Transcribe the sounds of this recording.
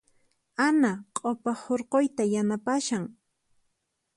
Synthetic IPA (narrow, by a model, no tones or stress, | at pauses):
anaqʼopahoɾqojt̪ajanapaʃaŋ